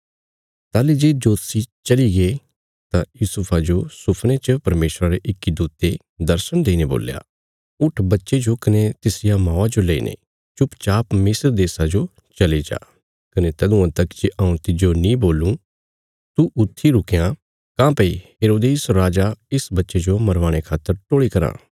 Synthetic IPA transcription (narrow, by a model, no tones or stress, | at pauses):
t̪aːlid͡ʒed͡ʒoːt̪sit͡ʃɐliɡe | t̪ãjuːsʊpʰad͡ʒosʊpʰnet͡ʃəpɐɾmeːsɾaɾeʔɪkːid̪uːt̪e | d̪ɐɾsənd̪eːinebo̰ːlja̰ː | ʊʈʰbɐtːʃed͡ʒokɐnet̪ɪsɪjamãːad͡ʒoleḭːnḛ | t͡ʃʊpt͡ʃaːpmɪsɾd̪eːsad͡ʒo | t͡ʃɐlid͡ʒa̰ː | kɐnet̪ɐd̪ũãt̪ɐkt͡ʃiʔɐũt̪ɪd͡ʒonĩboːlũː | t̪uʔʊt̪ʰːiɾʊkejã | kãːpɐiɦeːɾoːd̪eːsɾaːd͡ʒaɪsbɐtːʃed͡ʒomɐɾʋãːɽ̃ekʰaːt̪ːəɾʈoːɭikɐɾã̰ː